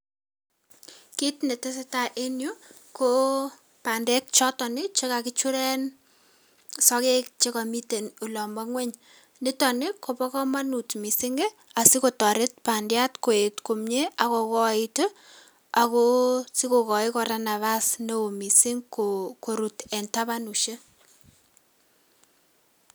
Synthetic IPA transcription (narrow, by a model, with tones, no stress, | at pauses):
kitne˨te˦se˦ta˦ʔe˦njo˦ | ko˦ | pa˨ndɛ˦k̚t͡ʃɔ˦tɔ˨nɪ˦t͡ʃe˦ka˨kɪ˦t͡ʃu˦ɾɛ˦n | sɔ˦ke˦k̚t͡ʃe˦ka˨mi˦te˨nu˨lɔ˨ma˦ŋwɛ˦ɲ | nɪ˦tɔ˨nɪ˦ko˨pɔ˦kɔ˦ma˦nu˨tmi˨sɪ˦ŋɡe˦ | a˨si˦ko˨tɔ˨ɾɪ˦t̚pa˨ndja˦tko˨e˨tko˨mɲe˦a˦kɔ˨kɔ˦ɪto | a˨ko˦si˦ko˨kɔ˨ɪ˦kɔ˨ɾa˨na˨βa˦sne˦o˨mi˨sɪ˦ŋkoko˨ɾu˨tɛ˨nta˦βa˦nu˨ʃe˦